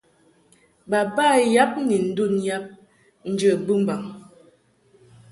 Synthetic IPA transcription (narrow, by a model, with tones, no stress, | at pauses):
ba˨ba˦˨ja˦p̚ni˨n̩˨˦du˦˨nja˦p̚ | n̩˨˦d͡ʒə˨bu˦m̩˦ba˨ŋ